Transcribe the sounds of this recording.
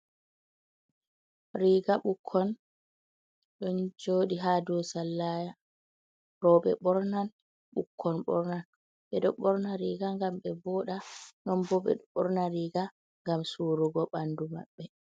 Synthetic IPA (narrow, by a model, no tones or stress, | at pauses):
ɾiːɡaɓukʰːɔn | ɗɔnd͡ʒoːɗiɦadɔsalːaːja | ɾɔɓɛɓɔɾnan | ɓṵkʰːɔnɓɔ̰ɾnan | ɓɛɗɔɓɔɾnaɾiːɡaŋɡamɓɛbɔɗanɔmbɔɓɛ̰ɗɓɔɾnaɾiːɡa | ŋɡamsuɾuɡɔɓanduma̰ɓːɛ